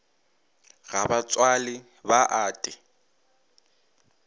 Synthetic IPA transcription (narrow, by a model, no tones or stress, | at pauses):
ɣabat͡sʼwalɪ | baʔaːtʼɪ